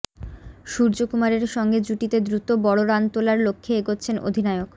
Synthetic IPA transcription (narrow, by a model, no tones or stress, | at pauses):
ʃuɾd͡ʑokumaɾeɾʃɔŋɡed͡ʑuʈit̪ed̪ɾut̪obɔɽoɾant̪olaɾlokʰːeeɡotːɕʰenʔo̰d̪ʱinaeok